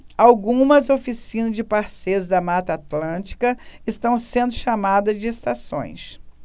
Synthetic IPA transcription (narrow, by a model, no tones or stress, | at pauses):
awɡũmɐzofisĩnɐzd͡ʒɪpaɾsejɾʊzd̪ɐmat̪ɐːt̪lɐ̃t͡ʃi̥kɐɪst̪ɐ̃w̃sẽnd̪ʊʃamad̪ɐzd͡ʒɪest̪asõ̰j̃s